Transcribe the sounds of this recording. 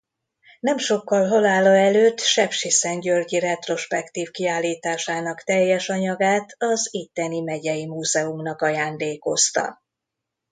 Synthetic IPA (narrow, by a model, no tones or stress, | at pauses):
nɛmʃo̞kːɒlɦo̞laːlɒɛløːt̪ːʃɛpʃisɛnɟørɟiɾɛt̪ro̞ʃpɛkt̪iːvkiaːlːiːt̪aːʃaːnɒkt̪ɛjːɛʃɒɲɒɡaːt̪ʰɒzit̪ːɛnimɛɟɛjimuːzɛumnɒkɒjaːnd̪eːko̞st̪ɒ̰